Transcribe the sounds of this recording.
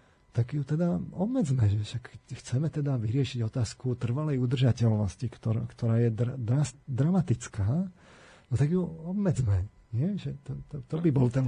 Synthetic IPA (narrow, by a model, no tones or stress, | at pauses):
t̪aɡjut̪ɛd̪aɔbmɛd͡zmɛʒɛʃakːxt͡sɛmɛt̪ɛd̪aʋiɾɪɛʃiɟɔt̪aːskut̪r̩ʋalɛjud̪r̩ʒacɛlnɔscikt̪ɔɾkt̪ɔɾaːjɛd̪d̪ɾasd̪ɾamat̪it͡skaː | nɔt̪aɡjuɔbmɛd͡zmɛ | ɲɪɛʒɛt̪ɛt̪ɔt̪ɔbibɔlt̪ɛn